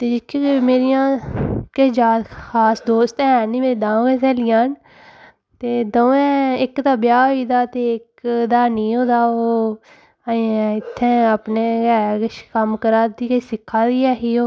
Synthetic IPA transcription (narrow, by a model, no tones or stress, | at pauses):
t̪eːd͡ʒɪkʰːimeːɾɪjãːkəd͡ʒaːt̪xʰaːsd̪oːst̪ɛ̃ːniːmeːɾiːd̪ãːõːket̪ɛːlɪjãːn | t̪eːd̪õːɛ̃ːɪkd̪aːbɪjaːɦoiːd̪aːt̪eːɪkd̪aːniːɦõːd̪aːoː | ɪt̪ʰːɛ̃ːəpneːɡɛːkəʃkəmkəɾaːd̪iːkəiːsɪkʰːaːd̪iːɛːɦiːoː